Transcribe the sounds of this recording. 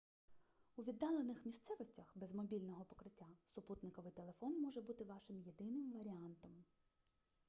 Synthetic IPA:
uʋʲid̪ːɑlˠenɪxmʲist̪sɛʋɔsʲtʲɐxbɛzmɔbʲilʲnɔɦɔpɔ̥kɾɪtʲːasʊput̪nɪkɔʋɪjt̪elˠe̞fɔnmɔʒɛbut̪ɪʋɑʃɪmje̞d̪ɪnɪmʋɐɾʲiɑnt̪ɔm

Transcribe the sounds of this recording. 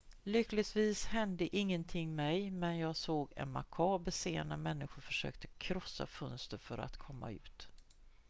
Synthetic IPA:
lʏkːlɪt̪viːshɛnd̪əʔɪŋːənt̪ʰɪŋːmɛjmɛnjɑːɡsoːɡɛ̰nma̰kʰɑːbɛseːənəmɛnːɪɧʊɾfœ̥ʂø̰ːkt̪ʰə̥kʰɾɔsːa̰fɵnst̪əɾfœɾa̰t̪kʰɔmːa̰ʉ̟ːt̪

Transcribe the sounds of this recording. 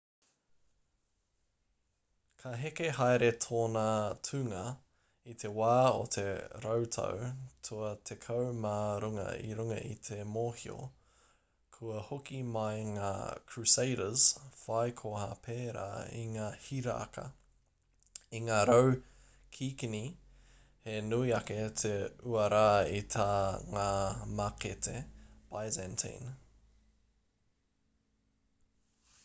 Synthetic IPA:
kʰɐɦekeɦajɾetʰoːnɐtʰʉŋɐ | it̪ʰe̞waːo̰t̪ʰe̞ɾowtʰɐ̰wtʰuɐt̪ʰekʰɐwmaːɾuŋɐ̰ḭɾuŋɐ̰ʔḭt̪ʰe̞moːhio̰ | kʰuɐhokimɐjŋa̰ːkʰɹʉsejɾəz̥fajkʰoha̰pʰeːɾa̰ːḭŋaːhiɾɐ̰ːkɐ̰ | iŋaːɾow | kʰiːkini | henuiɐket̪ʰeuɐɾaːit̪ʰaːŋaːmaket̪ʰepajzɛntʰḛn

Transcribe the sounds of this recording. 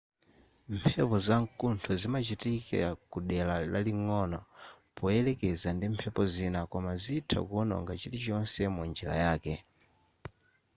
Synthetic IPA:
mpʰɛpɔzaŋkuntʰɔzimat͡ʃitikɛ̰akuɗɛlalaliŋɔnɔ | pɔɛlɛkɛzandimpʰɛpɔzinakɔmazitʰa̰kːnɔ̰ŋɡat͡ʃitit͡ʃɔnsɛmund͡ʒɛla̰jaːkɛ

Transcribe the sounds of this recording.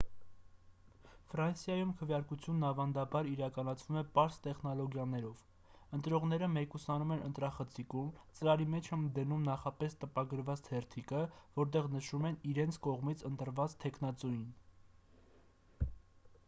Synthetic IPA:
fɾɑnsjɑjumkʰəvjɑɾkut͡sʰjunːɑvɑnd̪ɑbɑɾiɾɑkɑnɑt͡sʰvumɛpɑɾst̪ɛχn̪ɔlɔɡjɑnɛɾɔv̥ | ənt̪ɾɔʁn̪ɛɾəmɛkusɑnumɛnənt̪ɾɑχət͡sʰikumt͡səɾɑɾimɛt͡ʃʰɛmd̪ənumnɑχɑpɛst̪əpɑɡəɾvɑt͡st̪ʰɛɾt̪ʰikəvɔɾt̪̬ɛʁnəʃumɛniɾɛnt͡sʰkɔʁmit͡sʰənt̪əɾvɑt͡st̪ʰɛkʰnɑt͡sujin

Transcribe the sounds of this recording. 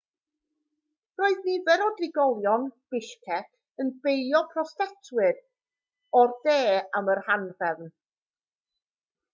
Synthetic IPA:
roːɨðnivɛɾɔdrɪɡɔlˠjɔnb̥ɪʃkʰɛkʰ | ənb̥ejɔpʰrɔstɛtʰwɨd | ɔrðeːamərhanrɛvn

